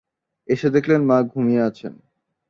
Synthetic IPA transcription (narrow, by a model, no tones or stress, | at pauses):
eʃed̪ekʰlenmãɡʱumieat͡ɕʰḛn